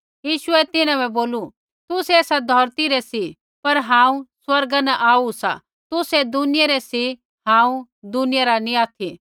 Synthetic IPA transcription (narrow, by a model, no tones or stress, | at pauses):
jiːʃʊɛt̪ɪnãbɛ̃boːlu | t̪ʊsɛːsad̪ʱɔɾt̪iɾɛsi | pɐɾɦãːũswɐɾɡanaʔaːusa̰ | t̪ʊsɛd̪ʊnɪjaɾɛsi | ɦãːũ | d̪ʊnɪjaɾanĩaːt̪ʰi